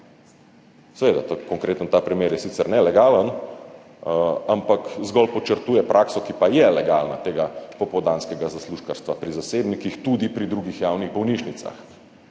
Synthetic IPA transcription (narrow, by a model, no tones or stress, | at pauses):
sɛʋeːd̪a̰t̪akɔŋkɾʔeːt̪ənt̪aːpɾimeːɾjɛsit̪sɛɾnɛlɛɡaːlən | ampakzɡɔlpɔt͡ʃəɾt̪uːjɛpɾʔaːksɔkipajɛlɛɡaːlnat̪eːɡapɔpɔd̪aːnskɛɡazasluːʃkaɾst̪ʋapɾizaseːbnikixt̪ud̪ipɾid̪ɾuɡixjaːwniɣbɔwniʃnit̪sa̰x